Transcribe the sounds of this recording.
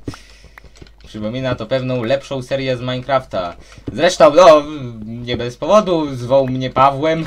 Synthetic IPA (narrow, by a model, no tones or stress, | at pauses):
pʂɘpɔmʲinat̪ɔpɛvnɔ̃w̃lɛpʂɔ̃w̃sɛɾjɛzmajkɾaft̪azɾɛʂt̪ɔ̃w̃nɔ | ɲɛbɛspɔvɔd̪uzvɔwmɲɛpavwɛm